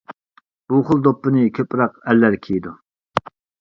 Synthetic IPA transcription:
b̥uχʊlˠd̪opːɨnɨkʲʰøpʰɾɑqɛlːæɾkʲʰejd̪u

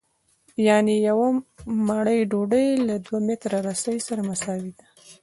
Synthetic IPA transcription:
jɑnejawamaɽəjɖoɖəjlad̪wamet̪ɾaɾasəjsaɾamasɑwid̪a

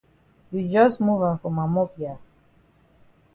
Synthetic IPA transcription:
jud͡ʒʌsmuvãnfɹɔ̃mamɔpja

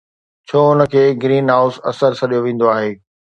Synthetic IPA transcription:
t͡ɕʰoːʊnə̆kʰeːɡɾiːnɦaːʊsɐsəɾsʰɐɗijoʋẽːn̆d̪oaːɦeː

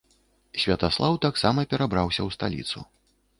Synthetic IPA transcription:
sʲvʲɐt̪aslˠawt̪aksamɐpʲɛɾabɾawsʲɐwst̪a̰lʲḭt̪sṵ

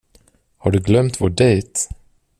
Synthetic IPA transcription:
haɖɵɡlœmt̪voːɖɛjt̪

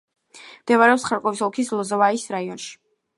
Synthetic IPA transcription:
md̪̥ɛvaɾɛɔpsχaɾkʼɔvisɔlˠkʰislˠɔzɔvaisɾaiɔnʃi̥

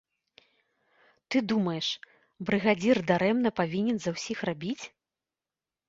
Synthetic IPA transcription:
t̪ɨd̪umɐjɛʂ | bɾɨɣad͡zʲird̪aɾɛmnɐpavʲinʲɛnzɐwsʲixrabʲit͡sʲ

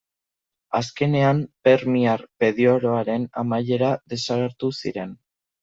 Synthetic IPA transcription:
aske̞ne̞ampe̞ɾmiaɾpe̞ðioɾo̞aɾe̞namaje̞ɾaðe̞saɣe̞ɾt̪usḭɾe̞n

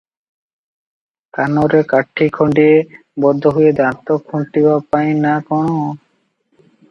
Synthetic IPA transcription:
kanoɾekaʈʰːikʰoɳɖie | bɔd̪ʱːɔɦujed̪at̪okʰːuɳʈibapajnakɔno

